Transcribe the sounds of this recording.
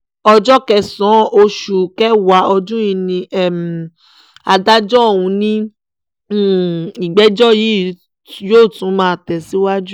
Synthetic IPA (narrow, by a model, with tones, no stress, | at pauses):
ɔ˧d͡ʒɔ˦kɛ˦˧sɔ̃˨˦o˧ʃu˨kɛ˦wa˨˦ɔ˧d͡ʒũ˦i˧nĩ˧ɛ˦˨m˨ | a˧da˦d͡ʒɔ˦˨wũ˧˦nĩ˦˨ | i˨ɡ͡bɛ˨˦d͡ʒɔ˦˨ji˨˦ | joː˦˨tũ˨˦mãː˦˧tɛ˨si˦wa˦d͡ʒu˦